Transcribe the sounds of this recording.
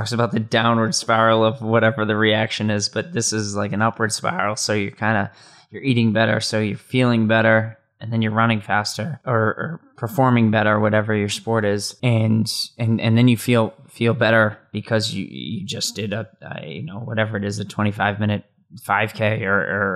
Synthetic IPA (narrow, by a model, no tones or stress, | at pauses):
ɔksəbaʊt̪̚ðɨdãʊ̃nwə˞d̥spaɪɹl̩ˠʌvwʌɾɛvə˞ðɨɹiækʃɨ̃nɪzb̥ʌt̪̚ðɪsɨzlaɪkɨ̃nʌpwə˞d̥spa̰ɪɹl̩ˠsoʊjə˞kʰãɪ̃ndɨ | jə˞iɾɪ̃ŋbɛɾə̰˞soʊjə˞filˠɪ̃ŋbɛɾə˞ | ɨ̃nðɨ̃njə˞ɹʌñɪ̃ŋfæstə˞ə˞ə̰˞pʰə˞fɔɹmɪ̃ŋbɛɾə˞wʌɾɛvə˞jə˞spɔɹɾɪz̥ɨ̃nɨ̃nɨ̰̃nðɨ̃njɨfilˠ | filˠbɛɾə˞b̥ɨkʰʌzjɨ̰jɨ̰d͡ʒʌsd̥ɪɾʌʌ̰jɨ̰noʊwʌɾɛvə˞ɨɾɨzɨtʰw̥ɛ̃ɾ̃ifaɪvmɪ̃ñɨt̚ | faɪv̥kʰeɪə˞ʔə˞